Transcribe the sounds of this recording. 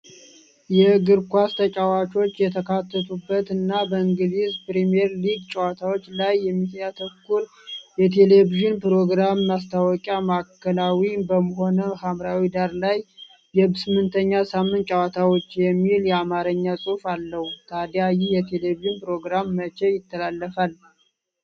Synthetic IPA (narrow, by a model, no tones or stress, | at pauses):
jɛɡɨɾkʷast̪ʰət͡ʃʼawat͡ʃʰo̞t͡ʃːjɛt̪ʰəkʰat̪ʰːət̪ʰubːət̪ɨnːabəɨŋɡɨzizpɾimieɾliɡt͡ʃʼəwat̪ʰawo̞t͡ʃːlajːɛmːit̪jat̪ʰəkːul | jɛt̪ʰe̞leviʒɪnpɾo̞ɡɾamːas̬t̪ʰawɔkʼjamakʰːəlawibəməɦo̞nəhamɾawid̪aɾlaj | bjɛsɨmːɨnt̪ʰəɲːasamːɨnt̪t͡ʃʼawat̪ʰawot͡ʃːjɛmːiljɛamaɾəɲːasʼufalːəhut̪ʰad̪jajijɛt̪ʰeleviʒɪnpɾo̞ɡɾamːət͡ʃejɪt̪ʰːəlalːəfal